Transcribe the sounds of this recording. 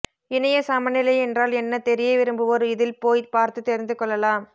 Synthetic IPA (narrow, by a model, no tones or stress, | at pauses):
ɪnɐjɐsɐmɐnɪlɐɪɛndraːlɛnːɐt̪ɛɾɪjeːʋɪɾɯmbɯɔɾɯɪðɪlpoːjpaːɾt̪ɯt̪ːɛɾɪnd̪ɯkːɔɭːɐlaːm